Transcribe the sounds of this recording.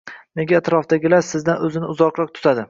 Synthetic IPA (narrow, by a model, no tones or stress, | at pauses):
ne̞ɡʲaːt̪ɾɒfd̪aɡʲɪlaɾsɪzd̪anɵzɪnɪʊzɒqɾɒq̚t̪ʰʊ̥t̪ʰad̪ɪ